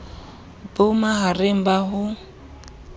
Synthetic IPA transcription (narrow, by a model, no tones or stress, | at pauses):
bʊmaɦarɪm̩baɦʊ